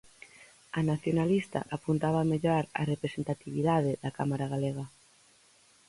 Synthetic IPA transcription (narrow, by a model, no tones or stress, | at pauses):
anaθjonalist̪a̰ʔapunt̪aβameʎoaɾa̰repɾesent̪at̪iβ̞iðaðeðakamaɾaɣ̞aleɣ̞a